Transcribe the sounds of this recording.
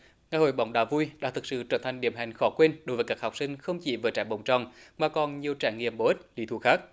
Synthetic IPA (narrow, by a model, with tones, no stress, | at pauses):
ŋa˨jho̰˧˨jɓa˨˦wŋ͡mɗaː˧˩vu˧jɗa̰ː˧˥t̪ʰɨ˨˩k̚sɨ̰˧˨t͡ɕəː˧˩nt̪ʰa˨˩jŋ̟ɗḭ˧˩əmɦa˨˩jŋ̟xɔ˨˦kwe˧nɗo˨˦jvəː˨˦jkaː˦˥k̚hɔ˨˩k͡p̚sï˧ŋ̟xə˧wŋ͡mt͡ɕḭ˧˩vəː˨˦jt͡ɕa̰ː˧˩jɓə̰˧˩wŋ͡mt͡ɕɔ̰˧˨nmaː˨˩kɔ˨˩nɲi˨˩əwt͡ɕa̰ː˧˩ŋːḭ˧˨əmɓo˨˧˦ʔi˦˥t̚li˧˦t̪ʰu˧˩xaː˦˥k̚